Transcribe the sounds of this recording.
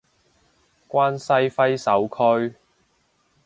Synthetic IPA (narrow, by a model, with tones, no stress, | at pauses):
kʷaː˥nsɐ˥jfɐ˥jsɐ˨˥wkʰɵ˥ɥ